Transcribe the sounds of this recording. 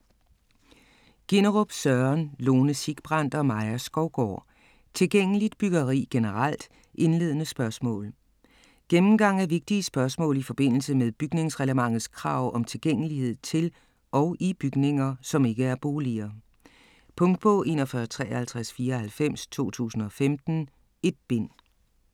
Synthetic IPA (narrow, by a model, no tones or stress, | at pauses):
ɡ̥e̝nəʁob̥sɶɐnlo̝ːnəsiɡ̥b̥ʁɑn̰d̥ɒ̽mɑ̈ɪɐsɡ̥ɒʊɡ̥ɒ̰ː | t͡sʰe̝lɡ̥eŋ̰əlid̥b̥yɡ̥ɐʁḭːɡ̥e̝nəʁɑl̰d̥ | ʔe̝nle̝ːð̞̰ˠənəsb̥ɶɐsmɔ̰̽ːl | ɡ̥emm̩ɡ̥ɑ̈ŋ̰æɐʋe̝ɡ̥̚d̥iəsb̥ɶɐsmɔ̰̽ːlifɒ̽b̥e̝n̰l̩səmeðˠb̥yɡ̥ne̝ŋsʁɛləmɑ̈ŋ̰ð̩ˠskʰʁɑ̈ʊ̰ʔɒ̽mt͡sʰe̝lɡ̥eŋ̰əlihe̝ð̰ˠt͡sʰe̝l | ʔɒ̽ʊʔib̥yɡ̥ne̝ŋɐsɒ̽me̝ɡ̥əæɐb̥o̝ːliɐː | pʰɔ̽ŋ̰d̥̚pʰɔ̽ʔe̝̰ːnɒ̽fɶːɐt͡sʰʁɛːhælt͡sʰʁasfiːɐhælfem̰st͡sʰo̝̰ːt͡sʰṵːsn̩ɒ̽femd̥n̩ | e̝d̥̚b̥e̝n̰